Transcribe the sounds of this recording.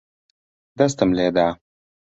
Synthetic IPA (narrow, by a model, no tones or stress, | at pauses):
d̪ast̪əmled̪a